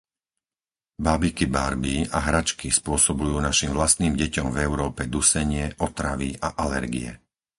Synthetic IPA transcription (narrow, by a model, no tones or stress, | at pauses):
baːbikibaɾbiaɦɾat͡ʃkispʊɔsɔbujuːnaʃimvlast̪niːmɟɛcɔmvɛʊɾɔːpɛd̪usɛɲɪɛʔɔt̪ɾaʋiʔaʔalɛɾɡḭɛ̰